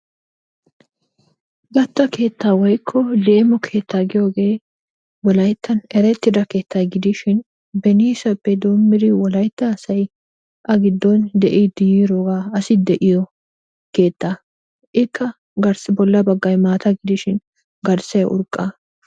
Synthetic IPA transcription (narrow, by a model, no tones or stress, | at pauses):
ɡɐt̪ːɐkʰe̞ːt̪ːaːwɔjkʰːɔle̞ːmɔkʰe̞ːt̪ːaɡɪjo̞ːɡe̞ː | wɔlɐjt̪ːɐnɛɾɛt̪ːɪd̪ɐke̞ːt̪ːɐjɡɪd̪ɪʃɪn | bɛniːsɐpːɛd̪oːmːɪd̪ɪwɔlɐjt̪ːɐːsɐj | ʔɐɡɪd̪ːɔnd̪ɛʔid̪ɪjiːɾoːɡaːɐsɪd̪ɛʔɪjɔ | ke̞ːt̪ːaː | ʔɪkːɐ | ɡɐɾsɪbɔlːɐbɐɡːɐjmaːt̪ʰɐɡɪd̪ɪʃɪn | ɡɐɾsɐjʔʊ̰ɾkʼːɐ